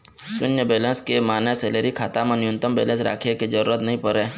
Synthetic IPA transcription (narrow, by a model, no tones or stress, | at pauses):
sʊnjəbeːlẽnskemaːneseːleɾikʰaːt̪aːmənjʊnt̪əmbḛːlẽnsɾa̰ːkʰeked͡ʒəɾuːɾət̪nɐɦĩpəɾẽː